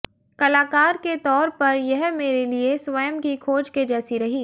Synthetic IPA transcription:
kɐlaːkaːɾket̪ɔːɾpɐɾjɛɦmeːɾelieswɐjəmkikʰoːd͡ʒked͡ʒɛːsiɾɐɦiː

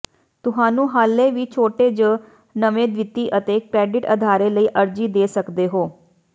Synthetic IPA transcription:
t̪ʊɦaːnũːɦaːlːẽːʋiːt͡ʃʰoːʈeːd͡ʒə | nəʋẽːd̪ʋɪt̪ːiːʔət̪eːkɾɛːɖɪʈə̰d̪ʱaːɾeːləiːʔəɾd͡ʒiːd̪eːsəkd̪eːɦoː

